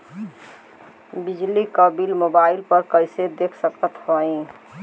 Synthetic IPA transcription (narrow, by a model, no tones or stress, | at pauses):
bid͡ʒlikəbilmobailpəɾkəjsed̪ekʰsəkət̪ɦoĩ